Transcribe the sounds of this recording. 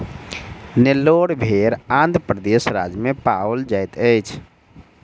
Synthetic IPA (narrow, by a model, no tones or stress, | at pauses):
nelːoɽbʱeɾãnd̪pɾəd̪esɾa̰d͡ʒmepaəld͡ʒajt̪ət͡ʃʰ